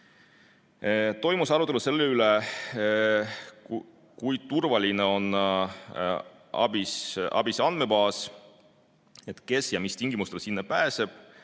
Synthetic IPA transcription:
t̪o̞jmusɑɾut̪ːˑeluse̞lːeyle | kujt̪urvɑlʲineo̞n | ɑ̰b̥isʔɑ̰b̥isɑnd̪̥me̞bɑːs | e̞t̪ke̞sjɑmist̪iŋɡ̥imust̪esinːepæːse̞b̥̚

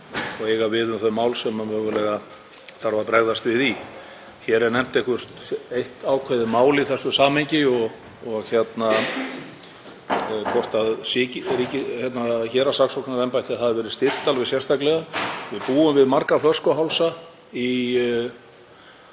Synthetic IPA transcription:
ɔɣejɣavɪðʏmθœɥmaːwlsɛmavœvʏlɛɣa | θaɾvaɾpɾɛɣðast̪vɪði | çɛɾɛɾnɛm̥t̪ehkvʏɾ̥t̪ejht̪aːwkʰvɛðɪmaːwliθɛsːʏsaːmhejɲcɪɔɣ | ɔɣçɛt̪na | pʰɔr̥t̪aðsɪːcɪɛɾicɪçjɛt̪naçɛːɾasaksɔknnaɾɛmpajt̪ɪaθaðɪɾvɛːɾɪ̥st̪ɪr̥t̪alvɪsjɛst̪aklɛɣavɪðpuːʏmvɪðmarkaflœr̥skɔɦawlsa | i

